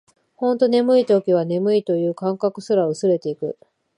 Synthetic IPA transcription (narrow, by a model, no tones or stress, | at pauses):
hõ̞nt̪o̞ne̞mɯ̟it̪okʲiβ̞ane̞mɯ̟it̪o̞jɯ̟ːkãŋkakɯ̟sɨɾaɯ̟sɨɾe̞t̪e̞ikɯ̟